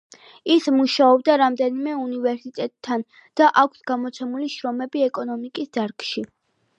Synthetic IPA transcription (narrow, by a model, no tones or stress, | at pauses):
ismuʃaɔb̚d̪aɾamd̪ɛnimɛunivɛɾsit̪ʼɛt̪ʼʰːan | d̪̥aʔakʷʰsɡamɔt̪sʰɛmuliʃɾɔmɛbiɛkʼɔnɔmikʼisd̪̥aɾkʃi